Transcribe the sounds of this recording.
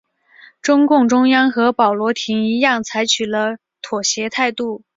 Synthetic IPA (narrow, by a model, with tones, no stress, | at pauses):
ʈ͡ʂʊ˥ŋkʊ˥˩ŋʈ͡ʂʊ˥ŋjɑ˥ŋxɤ˧˥pɑ˨˩ʊlwɔ˧˥t̪ʰi˧˥ŋi˧˥jɑ˥˩ŋt͡sʰa˧˥ɪt͡ɕʰy˨˩lə˦ | t̪ʰwɔ˨˩ɕjɛ˧˥t̪ʰa˥˧ɪt̪u˥˩